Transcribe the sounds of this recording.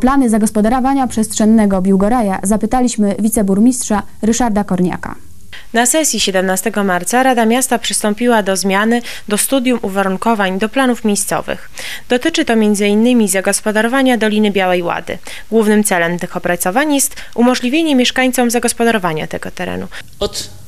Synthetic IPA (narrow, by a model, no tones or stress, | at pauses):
planɘzaɡɔspɔd̪aɾɔvaɲapʂɛst̪ʂɛnːɛɡɔbʲjiwɡɔɾaja̰zapɘt̪alʲiɕmɘvʲit̪sɛbuɾmʲistʂa | ɾɘʂaɾd̪akɔɾɲa̰ka̰ | nasɛsʲjiɕɛd̪ɛmnast̪ɛɡɔmaɾt̪saɾad̪amʲjast̪apʂɘst̪ɔmpʲiwad̪ɔzmʲjanɘ | d̪ɔst̪ud̪jumuvaɾuŋkɔvaɲd̪ɔplanufmʲejst̪sɔ̰vɘ̰x | d̪̥ɔt̪ɘt͡ʂɘt̪ɔmʲjɛnd̪zɘinːɘmʲizaɡɔspɔd̪aɾɔvaɲad̪ɔlʲinɘbʲjawɛjwa̰d̪ɘ̰ | ɡwuvnɘmt̪sɛlɛmt̪ɘxɔpɾat̪sɔvaɲjɛst̪ | umɔʐlʲivʲjeɲɛmʲjɛʂkaɲt̪sɔmzaɡɔspɔd̪aɾɔvaɲa̰t̪ɛɡɔt̪ɛɾɛ̰nu | ɔt̪